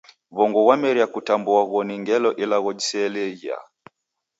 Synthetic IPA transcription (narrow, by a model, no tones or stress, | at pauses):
βɔŋɡɔwamɛɾiakutambuaɣɔniŋɡɛlɔʔilaɣɔd͡ʒisɛːlɛɣia̰